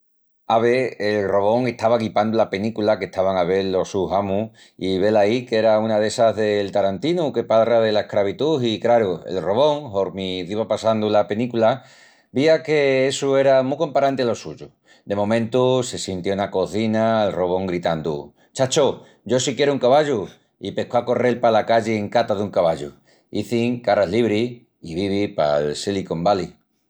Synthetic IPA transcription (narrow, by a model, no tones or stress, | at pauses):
aβeelro̞β̞o̞ŋe̞ht̪aβaɣipand̪ulape̞nikulake̞ht̪aβaŋaβe̞ɾlo̞suɦamũ | iβe̞laike̞ɾaunaðe̞saðe̞lt̪aɾant̪inuke̞palraðe̞lae̞hkɾaβ̞it̪uɦikɾaɾuḛlro̞βo̞ŋho̞ɾmiðiβapasand̪ulape̞nikula | biake̞esue̞ɾamuko̞mpaɾant̪ealo̞suʝu | d̪e̞mõ̞mẽnt̪use̞sint̪jounako̞θinaːlro̞β̞o̞ŋɡɾit̪and̪ṵ | t͡ʃat͡ʃo | ɟ͡ʝo̞sikje̞ɾouŋkaβaʎu | ipe̞koako̞re̞lpalakaʎeeŋkat̪aðuŋkaβaʎṵ | iθiŋkaɾaɦliβɾi | iβiβipa̰lseliko̞mbali